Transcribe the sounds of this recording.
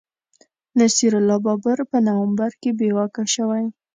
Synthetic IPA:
nasiɾʊlɑbɑbəɾpənawambaɾkebewakaʃəwaj

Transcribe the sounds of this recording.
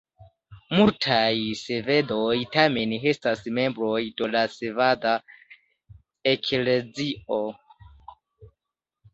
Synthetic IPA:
multʰajse̞ve̞dojtame̞ne̞stasme̞mbɾo̞jdolasevada | ekle̞zio

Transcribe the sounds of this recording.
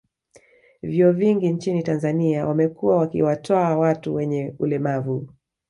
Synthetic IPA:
vjuɔviŋɡiɲt͡ʃinitanzaniawamɛkuwawakḭwatɔawatuwɛɲɛulɛmavu

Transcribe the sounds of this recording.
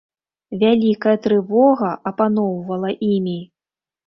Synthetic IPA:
vʲalʲikɐjɐt̪ɾɨvɔɣɐʔɐpanɔwvɐlˠɐʔimʲi

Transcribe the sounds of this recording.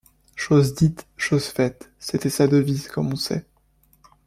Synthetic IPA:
ʃozd̪it̪ʃozfɛt̪ | set̪ɛsad̪əvizkɔmɔ̃sɛ̰

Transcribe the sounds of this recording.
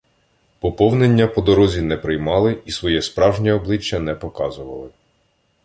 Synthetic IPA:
pɔpɔwnenʲːɐpɔd̪ɔɾɔzʲinɛpɾɪjmɑlˠɪisʋɔjɛspɾɑwʒnʲiɔblˠɪt͡ʃːɐnɛpɔkɑzʊʋɐ̰lˠɪ

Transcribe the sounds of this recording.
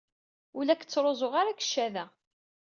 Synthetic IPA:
ulækːə̥t͡sːɾˤozˤoʁaɾakə̥ʃːæðæ

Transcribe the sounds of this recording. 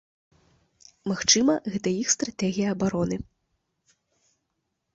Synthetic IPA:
maxt͡ʂɨmɐɣɛt̪ɐjixst̪ɾat̪ɛɣʲijɐɐbaɾɔnɨ

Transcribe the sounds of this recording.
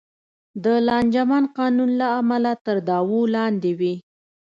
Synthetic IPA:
d̪əlɑnd͡ʒamɑnqɑnunlaːmalat̪əɾd̪ɑwulɑnd̪ewi

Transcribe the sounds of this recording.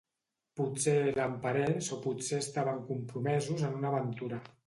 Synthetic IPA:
puselampaɾensopuseəst̪aβəŋkumpɾumɛzuzənunəβənt̪uɾa

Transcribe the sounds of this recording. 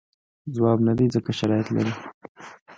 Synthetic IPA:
zwɑbnad̪ezəkaʃaɾɑjat̪la̰ɾi

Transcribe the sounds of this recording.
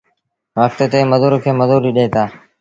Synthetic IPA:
ʋək̚t̪et̪eːməzuːɾkʰeːməzuːɾiːɗeːt̪aː

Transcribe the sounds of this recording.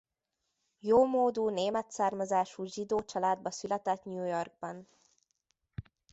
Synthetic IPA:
joːmoːd̪uːneːmɛt̪saːrmɒzaːʃuːʒid̪oːt͡ʃɒlaːd̪̚bɒsylɛt̪ɛt̪ɲuːjorɡ̚bɒn

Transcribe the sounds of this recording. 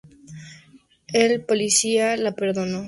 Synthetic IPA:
elpo̞lisialape̞ɾðo̞no

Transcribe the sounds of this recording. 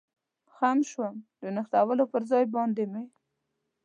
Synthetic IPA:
xamʃwamd̪ənəxt̪awalopəɾzɑjbɑnd̪eme

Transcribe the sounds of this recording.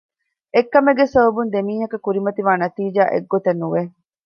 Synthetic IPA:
ekːɐmeɡesɐbɐbund̪emiːɦɐkɐkuɾimɐt̪iʋaːnɐt̪iːd͡ʒaːʔḛɡːot̪enːuʋe

